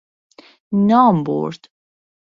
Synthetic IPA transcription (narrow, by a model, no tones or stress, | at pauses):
nɒːmbo̰ɾd̪̥